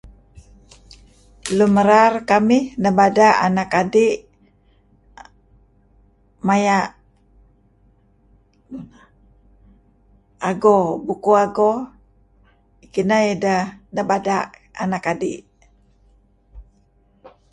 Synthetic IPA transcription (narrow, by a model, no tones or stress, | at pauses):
luməɾarkamɪhnabadaʔa̰nakadiʔ | majaʔ | aɡobukuaɡɔ | ikinaidanabadaa̰nakadiʔ